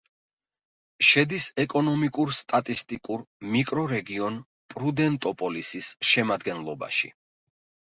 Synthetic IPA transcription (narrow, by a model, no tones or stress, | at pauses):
ʃɛd̪isɛkʼɔnɔmikʼuɾst̪ʼat̪ʼist̪ʼikʼuɾmikʼɾɔɾɛɡiɔn | pʼɾud̪ɛnt̪ʼɔpʼɔlisisʃɛmad̪ɡɛnlˠɔba̰ʃḭ